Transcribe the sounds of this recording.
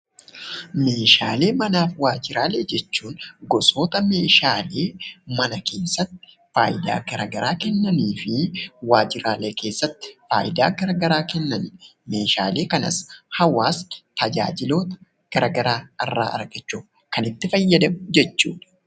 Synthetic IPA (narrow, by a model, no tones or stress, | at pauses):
me̞ːʃaːle̞ːmɐnaːfwaːd͡ʒɪɾaːleːd͡ʒɛt͡ʃːuːnɡɔso̞ːt̪ɐme̞ːʃaːle̞ːmɐnɐke̞ːsːɐt̪ːɪ̥ | faːjɪd̪a̰ːɡɐɾɐɡɐɾaːkɛnːɐniːfɪwaːd͡ʒɪɾaːleːke̞ːsːɐt̪ːɪ̥fa̰ːjɪd̪a̰ːɡɐɾɐɡɐɾaːkɛnːɐnme̞ːʃa̰ːle̞ːkɐnɐ̰shɐwaːst̪ɐd͡ʒa̰ːd͡ʒɪlo̞ːt̪ɐ̥ | ɡ̥ɐɾɐɡɐɾaːɪrːa̰ːʔɐ̰ɾɡɐt͡ʃːuːf | kɐnɪt̪ːɪfɐjːɐd̪ɐmʊd͡ʒɛt͡ʃːuːᶑɐ̥